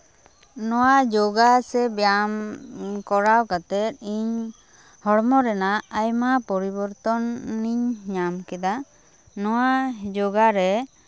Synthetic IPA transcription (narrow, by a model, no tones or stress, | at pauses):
nɔwaʔd͡ʒɔɡasɛbjamkɔɾawkat̪ɛt̪̚iɲ | hɔɽmɔɾɛnaːjmapɔɾibɔɾt̪ɔnːiɲɲamkɛd̪a | nɔwad͡ʒɔɡaɾɛ